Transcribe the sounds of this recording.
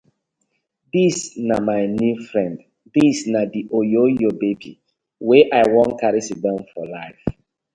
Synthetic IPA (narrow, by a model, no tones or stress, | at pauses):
disnamaɪnufɹɛ̃nd | disnadiʔojojobebi | weʔaɪwɔ̃nkaɹisidɛ̃mfɔlaɪf